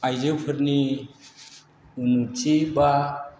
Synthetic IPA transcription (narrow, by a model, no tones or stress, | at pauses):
ajzɯpʰɯɾni | unut͡ʃʰiba